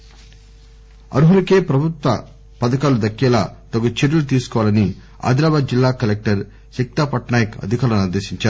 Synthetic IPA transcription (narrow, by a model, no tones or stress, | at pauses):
ɐ̰ɾuɦulɐkeːpɾɐbʱut̪ʋɐ | pɐd̪ɐkaːlud̪ɐkːɛːlaːt̪ɐɡut͡ʃeɾulut̪̬iːsu̥kɔːʋalɐni | a̰ːd̪ɾaːbaːd̪̚d͡ʒilːaːkɐlek̚ʈɐɾ | sik̚t̪aːpɐʈnaːjɐkɐ̰d̪ʱikaːɾɐniɾd̪eːʃiɲt͡ʃaːɾu